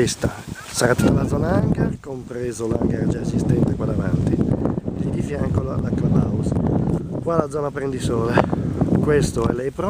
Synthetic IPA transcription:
est̪a | saɾat̪ːitalad̪zɔːnaaŋɡaɾkompɾeːzolaŋɡaɾd͡ʒaezist̪ɛnt̪ekwad̪avant̪ilid̪ifjaŋkolalakːlabauskwalad̪zɔːnapɾend̪isɔːlekwest̪oɛlɛjpɾɔ

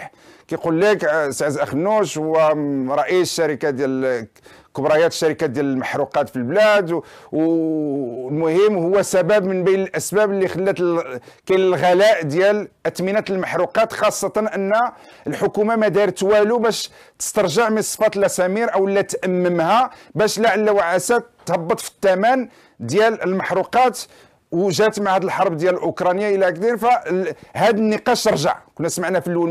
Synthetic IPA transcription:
kæjqulːiksʕzʔæxnːuʃhʊwːæɾˤɑʔisʃːæɾikad̪jæl | kʊbɾˤɑjæt̪əʃːæɾikad̪jæləlməħɾuqɑt̪filblæd̪w | lmʊhəmːhʊwːæsæbæbmənbijnəlʔæsbæblːixəlːæt̪lkænəlɣælæʔd̪jælʔət̪minæt̪əlməħɾuqɑt̪xɑsˤːɑt̪ɑnʔənːæəlħʊkumamæd̪ɑɾˤt̪wælubæʃ | t̪ə̥st̪ɑɾˤʒəʕmənsˤːfɑt̪əlʔæsæmiɾʔəwlːæt̪ʔæmːəmhæbæʃlaʕalːæwaʕæsæt̪ːhɑbːɑt̪ˤfi̥t̪ːæmæn | d̪jæləlmɑħɾuqɑt̪ | wʒæt̪maʕhæd̪əlħɑɾˤbd̪jællʔʊkɾˤɑnjaʔəlːæk̚d̪infæhæd̪ənːəqɑʃt̪əɾˤʒə̰ʕkʊnːæsmaʕnæfilːun

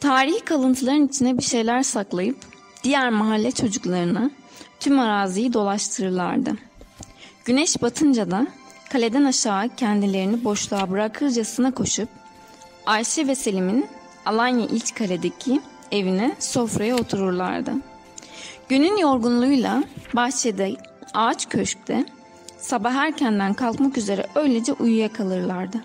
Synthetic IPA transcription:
t̪ʰaːɾihkʰalˠɯnt̪ʰɯlˠaɾɯnit͡ʃʰind̪ɛbiɾʃe̞jlʲæɾsaklˠajɯp | d̪̥ijæɾmaɦalʲːɛt͡ʃʰo̞d͡ʒuklˠaɾɯna | t̪ʰymaɾaːzijid̪o̞lˠaʃt̪ʰɯɾɯɾlˠa̰ɾd̪ɯ | ɟ̥ynɛʃbat̪ʰɯnd͡ʒad̪akʰalʲe̞d̪ænaʃaːcʰɛnd̪ilʲe̞ɾinibo̞ʃlˠaːbɯɾakʰɯɾd͡ʒasɯnakʰo̞ʃup̚ | aɾʃɛveselʲimin | alˠanjaʔilʲt͡ʃkʰalʲed̪e̞cʰi | e̞vinɛso̞fɾajao̞t̪ʰuɾuɾlˠa̰ɾd̪ɯ̰ | ɟ̥ynynjo̞ɾɡunlˠuːjlˠabaht͡ʃʰed̪ɛ | aːt͡ʃcʰøʃc̚t̪ʰɛ | sabaɦæɾcʰɛnd̪ænkʰalˠkmakyze̞ɾɛ̰ʔø̞jlʲe̞d͡ʒɛʔujujakʰalˠɯɾlˠaɾd̪ɯ

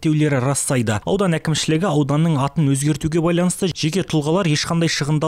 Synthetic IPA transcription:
t̪ːe̞wle̞ɾɪɾɑst̪ɑjd̪əɑ̰wd̪ɑnækʲɪmʃɪlɪɡʲɪɑwd̪ɑnːəɴɑt̪ənwɵzɡʲe̞ɾt̪uɡʲe̞bɑjlˠɑnəst̪əʒ̥e̞kʲe̞t̪ʰʊlˠʁɑlˠɑɾje̞ʃqʰɑnd̪ɑjʃəʁənd̪ɑ

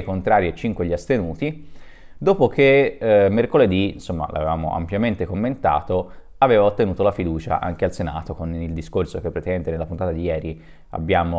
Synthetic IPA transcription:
kont̪ɾaːɾiet͡ʃːiŋkweʎːiast̪enuːt̪i | d̪oːpokemːerkoled̪insomːa̰lʔa̰vevaːmo̰ʔa̰mpjament̪ekomːent̪a̰ːt̪o | aveːvaot̪ːenuːt̪olafid̪uːt͡ʃa̰ʔa̰ŋk̟ealsena̰ːt̪okonild̪iskorsokepːɾet̪ɛnt̪enelapunt̪at̪ad̪ijɛːɾi | a̰bːjaːmo

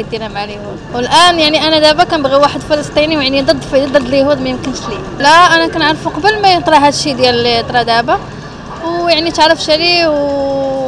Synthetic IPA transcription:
t̪inæmʕalhud̪wəlʔænjaʕniʔænæd̪æbakænbɣiwaħəd̪filəsˤt̪ˤiniwjaʕnid̪ˤəd̪ˤːfd̪əd̪ˤəd̪ːˤljhud̪mæjəmkənʃli | læʔænækænʕaɾˤəfuqɑbəlmæjət̪ˤɾˤɑɦæd̪ʃid̪jælt̪ɾˤɑd̪æba | wjaʕnit̪əʕɾəfʃæliw

